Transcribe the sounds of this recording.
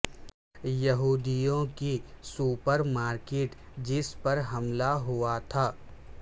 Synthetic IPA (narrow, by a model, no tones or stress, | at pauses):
jɐɦuːd̪ijõkisuːpəɾmaːɾkeːʈd͡ʒɪspɐɾɦɐmlaɦuat̪ʰaː